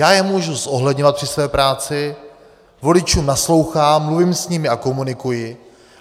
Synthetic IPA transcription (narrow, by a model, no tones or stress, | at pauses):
jaːjɛmuʒusso̞ɦlɛdɲovat̪̚prɪsvɛːpɾaːt͡sɪ | vo̞lɪt͡ʃuːmnaslo̞wxaːmːluviːmsɲɪmɪako̞munɪkujɪ